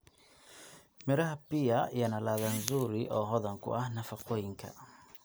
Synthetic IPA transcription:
mɛɾahapiajanalaðanzuɾiʔɔɦɔðaŋkṵanafakɔiŋka̰

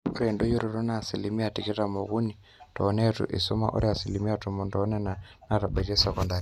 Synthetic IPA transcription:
uɾɛndojuɾiɾɔnaːsilimiatikɛtamoɣuni | tɔːnɛtṵʔḭsuma̰ʔṵɾiasilimiatumundɔːnɛnanaɾaɓɛɾɛsɛkɔndaɾi

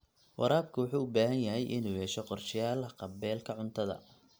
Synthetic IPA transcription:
wʔɑ̰ɾaːb̚kʰʊwʊħuːʊbaːɦɐnjɐɦɛjʔɪnuːjɛʃɔqɔrʃɪjaːlqɑbɛːlkʰɐʕʊnt̪ʰɐðɐ̰

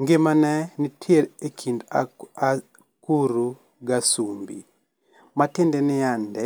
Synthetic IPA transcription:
ŋɡɪmanɛnɪtʰjeɾekʰind | kuɾu | ɡasumbḭ | matɪndɛnɪandɛ

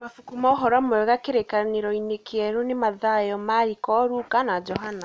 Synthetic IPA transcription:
mafukumaoɦɔɾwamoɛɣakeɾekaneɾɔinekeɛɾunemaðajɔmaɾikɔɾukanad͡ʒɔɦana

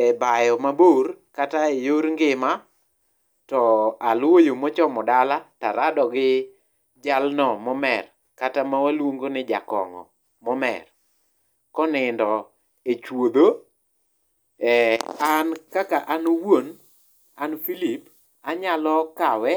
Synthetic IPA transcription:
ɛbajɔmaboɾkataejoɾŋɡɪma | tɔalwojomɔt͡ʃɔmɔdalataɾadɔɡɪ | d͡ʒalnɔmɔmɛr | katamawalwoŋɡonɪd͡ʒa̰kɔ̰ŋɔ̰ | mɔmɛ̰r | kɔnɪndɔ | et͡ʃwod̪o | ɛankakaʔanowon | anfilip | aɲalɔkawɛ

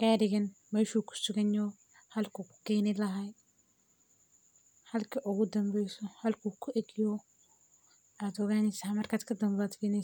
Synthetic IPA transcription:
ɡ̥aːɾɪɣɐnmɛːʃuːkʰʊ̥sʊɣɐnɔ | hɐlkʰukʰʊ̥kɛːnɪlɐɦaj | hɐlkʰɐʔʊɣʊd̪ɐmbɛjsɔhɐlkʰukʰʊʔɛɡjɔ | ad̪ɔɣaːnɪsamɐrkʰaːd̪kʰɐd̪ɐmbad̪fɪnɛ

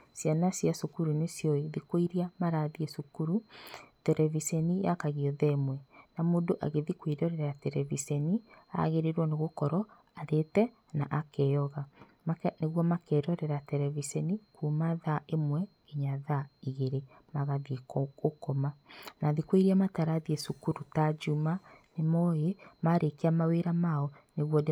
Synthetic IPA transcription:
sjanasjasokuɾunesjɔeðikwoiɾiamaɾaðiesukuɾutɛɾɛvisɛnijakaɣiɔðɛemwɛnamoːndoʔa̰ɣeðikweɾɔɾɛɾɛɾatɛɾɛvisɛnia̰ɣeɾeɾwɔneɣokɔɾɔ | aɾetɛ | naʔakɛjɔɣa | neɣwɔmakɛɾɔɾɛɾatɛɾɛvisɛnikumaðaʔemwɛ | eɲaðaiɣeɾe | maɣaðikokɔmanaðikweɾiamataɾaðiesukuɾutad͡ʒumanemɔjemaɾekeamaweɾamaɔneɣwɔd

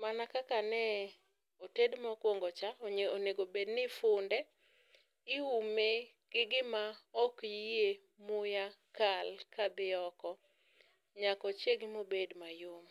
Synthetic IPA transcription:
manakakanɛ | otedmakwoŋɡɔt͡ʃaoɲoneɡobednɪfʊndɛ | ɪume | ɡ̥ɪɡɪmaɔkje | mʊjakalkabɪɔkɔ | ɲakɔt͡ʃjeɡɪmobedmajom

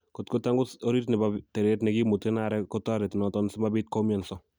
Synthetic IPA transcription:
kotkʊtaŋɡusoɾitnɛbatɛɾetnɛkimutenaɾɛkɔtaɾɛtnɔtɔnsɪmabit̚kɔmjansɔ

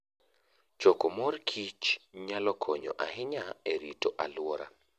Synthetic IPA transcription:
t͡ʃɔkɔmɔrkʰit͡ʃɲalɔkʰɔɲɔ̰ʔa̰ɦɪɲaeɾitoʔalwɔɾa̰

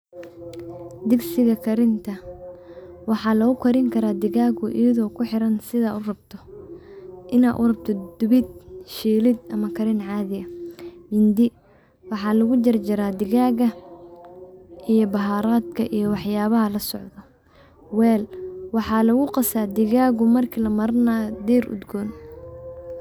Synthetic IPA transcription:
d̪ɪɡsɪɣɐkʰɐɾɪnt̪ʰɐ | wɑħɑːlɐɣʊkʰɐɾɪŋkʰɐɾaːd̪ɪɣaːɣʊʔɪjɐðɔːkʰʊħɪɾɐnsɪðɐʊrɐbt̪ʰɔ | ʔɪna̰ːʔʊ̰rɐbt̪ʰɔd̪̥ʊβɪd̪̚ʃiːlɪd̪ɐmɐkʰɐɾɪnʕɑːðɪɐmɪnd̪ɪ | wɑħɑːlɐɣʊd͡ʒɐrd͡ʒɐɾaːd̪ɪɣaːɣɐ | ʔijɔbɐɦaːɾaːd̪kʰɐ̰ʔijɞwɑħjaːβɐɦɐlɐsɔʕðɔ | wɛːlwɑħɑːlɐɣʊqɑsaːd̪ɪɣaːɣʊmɐrkʰilɐmɐɾnaːd̪iːrʔʊ̰d̪ɡɔːn

